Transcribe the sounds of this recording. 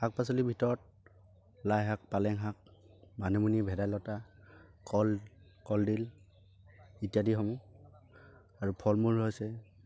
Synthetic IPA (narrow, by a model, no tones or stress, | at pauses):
ak̚pasɔlibʱitɔɹɔt̚ | lajɦak̚palɛŋɦak̚manemunibʱɛdajlɔtakɔlkɔldil | itiadiɦɔmu | aɹupʰɔlmulɦojsɛ